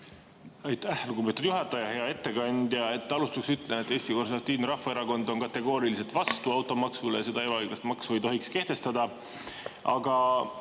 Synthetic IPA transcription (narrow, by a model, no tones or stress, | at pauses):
ɑjt̪ˑæhluɡ̥ubet̪ːˑud̪̥juɦɑt̪ːˑɑjɑhe̞ɑe̞t̪ːe̞kɑnʲd̪jɑe̞t̪ːˑɑlust̪ɑksyt̪ːˑlenet̪ːˑe̞ːst̪iko̞nsut̪ːˑiːvneɾɑfːɑeɾɑko̞nd̪̥o̞nkɑt̪ːˑe̞ɡ̥o̞ːɾilis̬e̞t̪vɑst̪uɑwt̪ːˑo̞mɑksulejɑse̞d̪ɑe̞bɑɑjɡ̥lɑst̪mɑksuejt̪o̞ɦikske̞ht̪e̞st̪ɑd̪ɑ | ɑɡ̥ɑ